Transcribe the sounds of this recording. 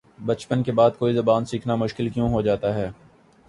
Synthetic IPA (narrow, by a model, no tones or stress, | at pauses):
bɐt͡ʃpənkebaːd̪̚koːizɐbaːnsiːkʰnamʊʃkɪlkjõːɦod͡ʒaːt̪aɦɛː